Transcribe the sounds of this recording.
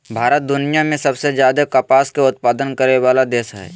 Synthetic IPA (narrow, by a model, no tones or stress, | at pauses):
bʱaːɾət̪̚d̪ʊnijamẽsɐbsed͡ʒjaːd̪ekapaːskeʊt̪̚paːd̪ənkəɾeʋaːlad̪eːsɦɛ̰ː